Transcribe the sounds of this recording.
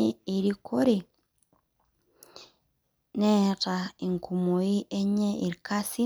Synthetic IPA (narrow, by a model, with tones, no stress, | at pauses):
ee˨ɾikʰo˦ɾe˨ | ne˦tae˨ŋkʰu˨mo˨i˦ʔe˦ɲe˦i˨ɾkasi˦